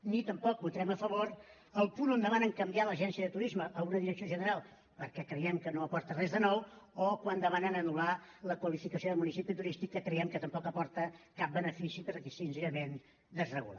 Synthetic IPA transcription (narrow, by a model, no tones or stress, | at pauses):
nit̪əmpɔk̚but̪ɾɛməfəβoɾ | əlˠpunond̪əmanəŋkəmbialəʒɛnsiəðət̪uɾizməʔːunəðiɾəksioʒənəɾalˠ | pəɾkɛkɾəjɛmkənoəpɔɾt̪ərɛzðənɔwokwand̪əmanənənulaləkwəlifikəsioðəlˠmunisipit̪uɾist̪ikːəkɾəɛmkət̪əmpɔkəpɔɾt̪əkap̚bənəfisipəɾkɛsinzeɾəmen | d̪əzrəɣṵla̰